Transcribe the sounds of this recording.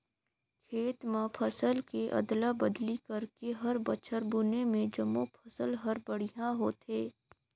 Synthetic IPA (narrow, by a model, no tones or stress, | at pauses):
kʰeːt̪mãpʰəsəlkeʔɐ̰d̪labɐd̪likɐɾkeɦɐɾbɐt͡ʃʰəɾbunemẽd͡ʒɐmopʰəsəlɦɐɾbəɽijãɦoːt̪ɦeː